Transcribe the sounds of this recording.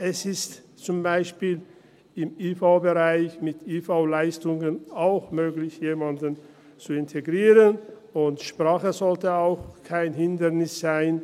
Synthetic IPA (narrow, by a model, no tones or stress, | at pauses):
ʔɛsɪst | t͡sʊmbaɪʃpiːl | ɪmiːfaʊbəʁaɪçmɪtiːfaʊlaɪstʊŋənaʊxmøːɡlɪçjeːmandən | t͡suɪntʰeɡʁiːʁən | ʊntʃpʁ̥aːχəzɔltəaʊxkʰaɪnɦɪndənɪsz̥aɪn